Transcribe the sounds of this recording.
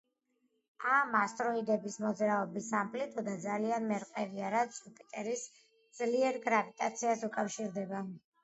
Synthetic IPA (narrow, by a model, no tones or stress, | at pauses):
amast̪ʼɾɔid̪ɛbismɔd̪zɾaɔbisampʰlit̪ʰʼɔd̪ad̪zalianmɛɾqʼɛviaɾat̪supʼit̪ʼɛɾis | d̪z̥liɛɾɡɾavit̪ʼat̪sʰiasukʼafʃiɾd̪ɛba